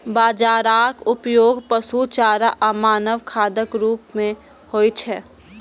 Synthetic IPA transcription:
baːd͡ʒaːɾaːkʊpjoːɡpəsut͡ʃaːɾaʔəmaːnəʋkʰaːd̪əkɾuːpmẽ | hoːit͡ʃʰɛː

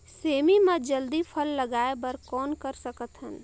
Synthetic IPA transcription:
seːmimẽd͡ʒəld̪ipʰəlːəɡaːebəɾkɔːnkəɾsəkət̪ɦən

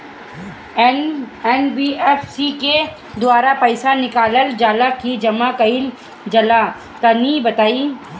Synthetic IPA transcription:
ɛːnbiɛːfsike | d̪waːɾapɐɪsanɪkaːləld͡ʒaːlakid͡ʒɐmakɐil | d͡ʒɐla | t̪ɐnibɐt̪aːiː

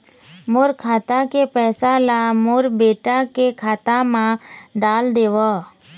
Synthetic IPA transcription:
moɾkʰaːt̪akepɛːsalamoɾbeːʈakekʰaːt̪ãmãɖaːld̪eːʋə

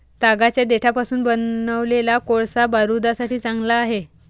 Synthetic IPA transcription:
t̪aɡat͡ɕjad̪eʈʰapasuːnbənəʋlelakoɭsabaɾud̪asaʈʰiːt͡sãŋɡlaːɦe

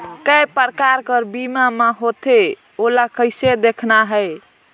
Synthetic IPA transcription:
kəjpəɾkaɾkəɾbimameɦot̪e | olakəjsed̪ekʰnaɦəj

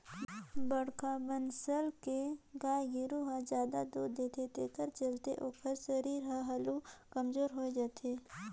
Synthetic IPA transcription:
bəɽkabənsəlkeɡaːjɪɾuɦazjaːd̪ad̪uːɾd̪eːt̪ʰeːt̪ekəɾt͡ʃɐlt̪ḛʔoːkəɾsəɾiːɾɦə̃ɦɐlukɐmzoːɾɦoːed͡ʒaːt̪ʰeː

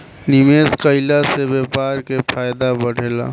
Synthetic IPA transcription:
nimeːskəɪlasebeːpaːɾkepʰaːjd̪abəɽ̤ʱeːla̰ː

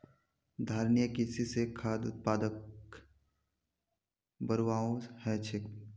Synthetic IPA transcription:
d̪ʱaːɾnijəkɪsisekʰaːd̪ʊ̰t̪̚paːd̪ək | bəɾʋaːõhɛt͡ʃʰɪk

